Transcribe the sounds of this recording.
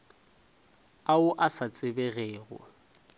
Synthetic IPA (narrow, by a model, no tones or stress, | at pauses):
aʊʔasat͡sʼɪbɛɣeːɣʊ̰